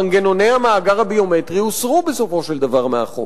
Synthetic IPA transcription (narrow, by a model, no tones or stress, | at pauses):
aŋɡe̞no̞nejhamaːɡaʁhabio̞met̪ʁiusʁubeso̞fo̞ʃe̞ld̪avaʁmea̰χo̰